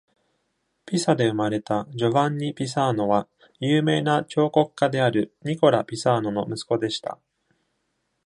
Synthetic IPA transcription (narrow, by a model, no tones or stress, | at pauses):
pʲisad̪e̞ɯ̟maɾe̞t̪ad͡ʑo̞βãɲ̟ːipʲis̬aːno̞βa | jɯːme̞ːnat͡ɕo̞ːko̞kɯ̥kːad̪e̞aɾɯ̟ɲ̟iko̞ɾapʲisaːno̞no̞mɯ̟sɨ̥ko̞d̪e̞ɕi̥t̪a̰